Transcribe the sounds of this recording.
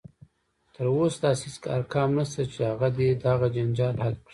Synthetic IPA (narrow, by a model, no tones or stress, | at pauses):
t̪əɾosd̪ɑsiskɑ̰ɾkɑːmnast̪at͡ʃehaɣad̪ed̪aɣad͡ʒand͡ʒɑlhalkɽi